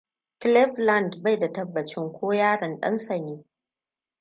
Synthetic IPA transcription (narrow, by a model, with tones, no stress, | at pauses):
klɛ˦ɸla˦˨ndba˦˨jda˨tɐ˦bːɐ˨t͡ʃɪ˦ŋkʷoː˦jaː˦ɽɐ˨nɗɐ̰˦nsɐ˨niː˦